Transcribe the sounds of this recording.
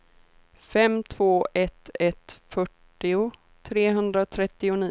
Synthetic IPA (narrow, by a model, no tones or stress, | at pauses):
fɛmt̪ʰv̥oːʔɛt̪ɛt̪fœʈːɪʊ | t̪ʰɾeːɦɵnd̪ɾat̪ʰɾɛt̪ːɪʊni